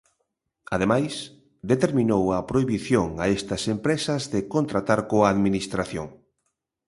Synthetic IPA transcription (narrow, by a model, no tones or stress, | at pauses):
að̞emajs | d̪et̪eɾmĩnowɐpɾoiβiθjoŋaest̪ɐsempɾesɐzðekont̪ɾat̪aɾkoaːðminist̪ɾaθjoŋ